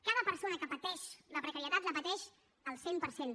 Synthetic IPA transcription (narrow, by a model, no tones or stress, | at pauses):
kaðəpəɾsonəkəpət̪ɛʃləpɾəkəɾiət̪at̪ləpət̪ɛʃ | əlˠsempəɾsen